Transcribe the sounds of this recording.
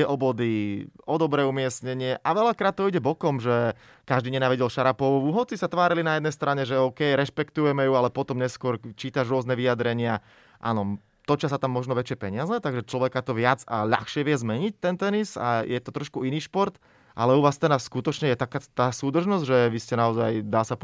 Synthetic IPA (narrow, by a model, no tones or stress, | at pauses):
ɛʔɔbɔd̪iɔd̪ɔbɾɛːumɪɛsɲɛɲɪɛʔaʋɛʎakɾaːt̪̚t̪ːɔiɟɛbɔkɔmʒɛ | kaʒd̪iɲɛnaːʋiɟɛlʃaɾapɔʋʋuɦɔt͡sisat̪ʋaːɾilinajɛd̪nɛjst̪ɾʔaɲɛʒɛɔʊkɛjɾɛʃpɛkt̪ujɛmɛjualɛpɔt̪ɔmɲɛskʊɔɾt͡ʃiːt̪aʒɾʊɔznɛʋijad̪ɾɛɲɪa | ʔa̰nɔ | t̪ɔt͡ʃɪasat̪amːɔʒnɔʋɛt͡ʃɪɛpɛɲɪazɛt̪aɡʒɛt͡ʃlɔʋɛkat̪ɔʋɪad͡za̰ʎa̰xʃɪɛʋɪɛzmɛɲic̚t̪ɛnt̪ɛnisa̰jɛt̪ɔt̪ɾɔʃkuiniːʃpɔɾt̪ | ʔa̰lɛuʋaːst̪ɛnaskut̪ɔt͡ʃɲɛjɛt̪akaːt̪aːsuːd̪r̩ʒnɔzɟʒɛʋiscɛnaɔzajd̪aːsap